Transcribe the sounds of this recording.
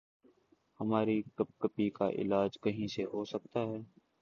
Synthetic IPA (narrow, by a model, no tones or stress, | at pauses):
həmaːɾikəp̚kəpika̰ʔɪ̰laːd͡ʒkəɦĩseɦoːsək̚t̪aːɦɛː